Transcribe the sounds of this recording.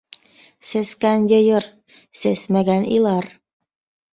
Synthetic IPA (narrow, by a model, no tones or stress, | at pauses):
seskænjɤ̆jɤɾ | sesmæɡænḭlˠɑɾ